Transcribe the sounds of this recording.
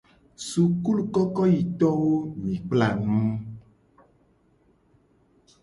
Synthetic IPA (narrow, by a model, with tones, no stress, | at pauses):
su˨ku˦lu˨kɔ˦kɔ˦ji˨t̪ɔ˦wo˦mĩ˨k͡pla˨nũ˦